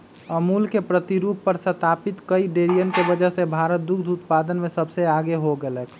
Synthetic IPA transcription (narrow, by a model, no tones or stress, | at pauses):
əmulkepɾət̪iɾupːəɾsət̪apit̪kəiɖeɾijənkebəd͡ʒəɦsebʱaɾət̪̚d̪ukd̪ʱut̪pad̪ənmesəbseaɡeɦoɡeləkʰ